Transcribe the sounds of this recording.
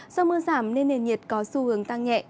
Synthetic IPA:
zɔ˧mɨ˧əzaː˧˩mne˧nːe˨˩nɲi˨˩ət̚kɔ˨˦su˧hɨ˨˦əŋt̪a˧ŋɲɛ̰˧˨

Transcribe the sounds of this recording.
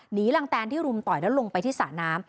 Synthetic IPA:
niː˨˦˥la˧ŋt̪ɛː˧nt̪ʰiː˥˩ɾu˧mt̪ɔː˨˩jlɛː˦˥wlo˧ŋpa˧jt̪ʰiː˥˩sa̰ː˩˦naː˦˥m

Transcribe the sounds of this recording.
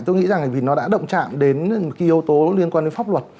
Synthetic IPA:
t̪o˧jŋḭ˧˥za˨˩ŋ˨˩vi˨˩nɔ˨˦ɗa̰ː˧˥ɗə̰˧˨wŋ͡mt͡ɕa̰ː˧˨mɗe˨˦nm̚˨˩ki˨˧˦ʔi˨˧əwt̪o˨˦li˧ənkwaː˧nɗe˨˦nfa˦˥p̚lwə˨˩t̚

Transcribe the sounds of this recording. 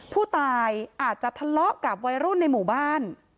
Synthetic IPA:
pʰuː˥˩t̪aː˧jʔaː˨˩t̪̚t͡ɕa˨˩t̪ʰa˧lɔ˦˥ʔka˨˩p̚wa˧˥jɾu˥˩nːa˧jmuː˨˩baː˥˩n

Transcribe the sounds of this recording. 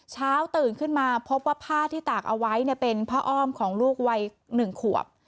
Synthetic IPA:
t͡ɕʰaː˦˥wt̪ɯː˨˩nkʰɯ˥˩nmaː˧pʰo˦˥p̚waː˥˩pʰaː˥˩t̪ʰiː˥˩t̪aː˨˩k̚ʔa˧wa˦˥jni˥˩pe˧npʰaː˥˩ʔɔː˥˩mkʰɔː˩˦ŋluː˥˩k̚wa˧j | nɯ˨˩ŋkʰu˨˩ə̰p̚

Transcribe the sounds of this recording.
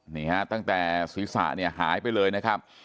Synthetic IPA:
niː˧˩ŋɛ˦˥t̪a˥˩ŋt̪ɛː˨˩si˨˦˥sa̰ː˨˩ni˥˩ɐɦaː˩˦jpa˧jlɤː˧jna˦˥kʰa˦˥p̚

